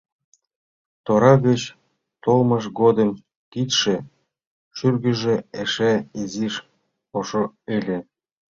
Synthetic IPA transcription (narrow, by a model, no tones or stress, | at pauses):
t̪oɾɑɣət͡ɕ | t̪olmɤʃɡod̪ə̆m | kit̪ʃĕ | ʃyrɡə̆ʒĕeʃæiziʃ | oʃoelʲe